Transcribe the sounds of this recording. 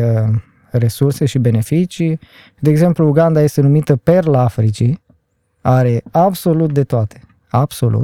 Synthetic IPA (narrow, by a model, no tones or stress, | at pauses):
re̞surse̞ʃibe̞ne̞fit͡ʃi | d̪eːɡze̞mpluːɡand̪aje̞st̪enumit̪əpe̞rlafɾit͡ʃi | aɾe̞abso̞lut̪̚d̪e̞t̪oat̪ʰe̥ | ab̥so̞lṵ